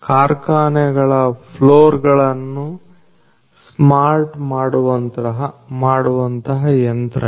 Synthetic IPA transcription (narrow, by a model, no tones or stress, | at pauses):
kaːɾkaːnɛɡɐɭɐpʰloːɾɡɐɭɐnːu | smaːɾʈmaːɽuʋɐnt̪ɐɦɐmaːɽuʋɐnt̪ɐɦɐjɐnt̪ɾɐ